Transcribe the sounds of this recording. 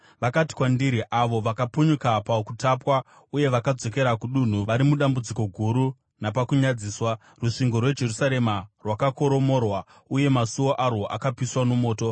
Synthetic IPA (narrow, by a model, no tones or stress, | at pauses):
ʋakati̥kwandiɾiʔaʋo̞ʋakapuɲukapakutapwa | uje̞ʋakad͡zo̞ke̞ɾakuɗun̤uʋaɾimuɗambud͡ziko̞ɡʱuɾu | napakuɲad͡ziːswa | ruʂiŋɡo̞rwe̞d͡ʒe̞rusaɾe̞marwakako̞ɾo̞mo̞rwa | uje̞masuo̞ʔaroʔa̰kapiswano̞mo̞ːto̞